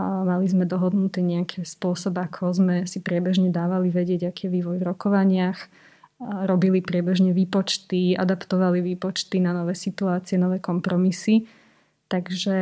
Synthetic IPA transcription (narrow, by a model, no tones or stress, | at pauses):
malizmɛd̪ɔɦɔd̪nut̪ɛːɲɛakʰɛspʊɔsɔbakʰɔzmɛsipɾɪɛbɛʒɲɛd̪aːʋaliʋɛɟɪɛɟakiːjɛʋiːʋɔjvɾɔkɔʋaɲɪax | ɾɔbilipɾɪɛbɛʒɲɛʋiːpɔt͡ʃt̪ia̰d̪apt̪ɔʋaliʋiːpɔt͡ʃt̪inanɔʋɛːsit̪uaːt͡siɛnɔʋɛːkɔmpɾɔmisi | t̪aɡʒɛ